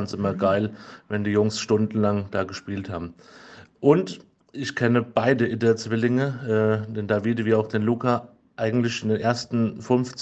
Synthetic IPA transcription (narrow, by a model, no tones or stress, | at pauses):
nsʔɪmɐɡaɪlvɛndiːjʊŋsʃtʊndn̩laŋd̥aːɡəʃpiːltha̰ːbm̩ʔʊnt | ʔɪçkʰɛnəb̥aɪdəʔɪdɐt͡sv̥ɪlɪŋəɛːd̥eːndaːviːdəviːɐaʊxd̥eːnluːkʰa | ʔaɪɡŋ̩tlɪçɪndeːnʔeːɐstn̩fʏnft͡s